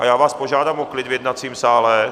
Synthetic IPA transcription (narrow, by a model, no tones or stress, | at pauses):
ʔajaːvaːspoʒaːdaːmoklɪd̪vjɛd̪nat͡siːmsaːlɛ